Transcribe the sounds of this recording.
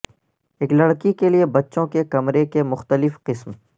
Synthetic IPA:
eːklɐɽkikeliebɐtːʃõkekɐmɾekemʊxt̪əlɪfqɪsm

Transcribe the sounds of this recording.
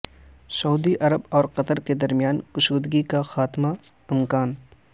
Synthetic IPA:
sɐuːd̪iʔɐɾəbɔːɾqɐt̪əɾked̪ɐɾmijaːnkʊʃuːd̪ɡikaxaːt̪ma | ɪmkaːn

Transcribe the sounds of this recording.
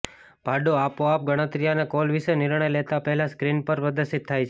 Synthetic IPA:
bʱaɖoapoap̚ɡəɽ̃ət̪ɾijanekolʋiʃenɪɾɳ̃əjlet̪apəɦɛlaskɾinpəɾpəd̪əsit̪ʰːajt͡ʃʰ

